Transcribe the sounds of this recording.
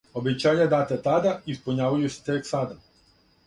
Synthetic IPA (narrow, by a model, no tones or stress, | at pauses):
obit͡ʃajad̪at̪at̪ad̪aispuɲaʋajusɛ̥t̪ɛksad̪a